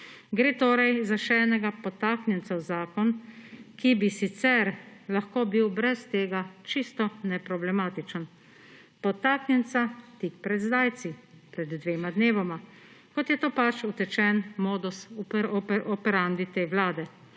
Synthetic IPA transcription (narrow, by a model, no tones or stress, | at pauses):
ɡɾeːt̪oːɾajzaʃɛɛːnɛɡapɔt̪aːknʲjɛnsawzaːkɔnkibisit̪sɛɾlaxkoːbiwbɾɛst̪eːɡat͡ʃist̪ɔnɛpɾɔblɛmaːt̪it͡ʃən | pɔt̪aknʲjɛnt̪sat̪ik̚pɾɛd̪zd̪aːjt̪sipɾɛd̪ːʋeːmad̪neːʋɔma | kɔt̪jɛt̪oːpat͡ʃut̪ɛt͡ʃɛnmoːd̪usɔʔɔpɛɾand̪it̪eːwlaːd̪ɛ